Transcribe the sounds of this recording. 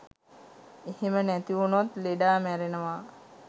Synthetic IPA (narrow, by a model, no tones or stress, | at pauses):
ehemənæt̪iunat̪leɖaːmæɾenəʋa